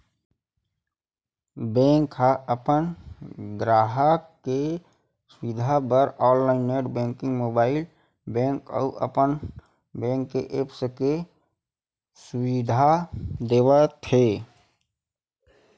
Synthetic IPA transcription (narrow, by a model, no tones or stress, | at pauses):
bɛ̃ːŋkɦaəpənɡɾaːɦəke | sʊwɪd̪ʱabəɾɔːllaːɪnːeːʈbɛ̃ːŋkɪ̃ŋɡmoːbaːɪl | bɛ̃ːŋkə̰ʊʔə̰pən | bɛ̃ːŋkːeʔeːpske | sʊwɪd̪ʱad̪eːʋət̪ɦeː